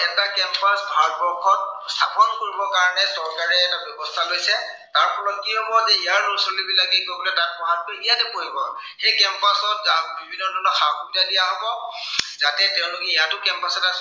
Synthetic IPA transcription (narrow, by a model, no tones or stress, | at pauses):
ɛtakɛmpasbʱalbɔkʰɔt̚stʰapɔnkoɹibɔkaɹɔnɛsɔɹkaɹɛːtabjɔbɔstʰalojsɛ | taɹpʰɔlɔt̚kiɦɔbɔzɛijaɹnusolibilakɛkokɔlɛtat̚pɔɦantoijadepoɦibɔxekɛmpasɔt̚zabibʱinːɔdʱɔnɔxakɔbitadijaɦɔbɔzatɛtɛʊ̃lʊkɛijatʊkɛmpasɔtas